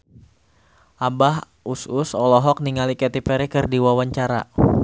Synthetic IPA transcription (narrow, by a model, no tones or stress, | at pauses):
ʔabah | usʊsɔlɔɦɔk̚niŋalikɛt̪ipɛɾikɨrdiwawaɲt͡ʃaɾa̰